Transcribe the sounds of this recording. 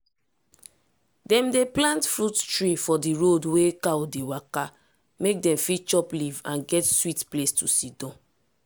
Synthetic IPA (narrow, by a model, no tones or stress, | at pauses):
dɛ̃mdeplãntfɹuttɹifɔdiɹodwekawdewaka | mek̚dɛ̃mfit͡ʃɔplivã̰nɡɛtswitplestusidɔ̃n